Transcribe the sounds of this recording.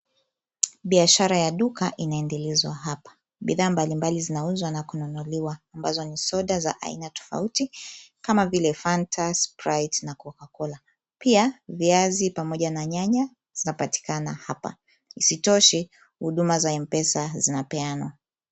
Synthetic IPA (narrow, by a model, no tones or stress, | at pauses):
ɓiaʃaɾajaɗukaʔinaɛndɛlɛzwaɦapḁ | ɓiðaːmbalimbalizinauzwanakunɔnɔliwaːmbazɔnisɔɗaza̰ʔa̰ḭnatɔ̥fa̰utikamavilɛfantʰaspɾajtnakɔkakɔla | piaviazipamɔʄanaɲaɲa | z̥inapati̥kanahapa̰ | isitɔʃɛ | huɗumazaɛmpɛsazinapɛanwa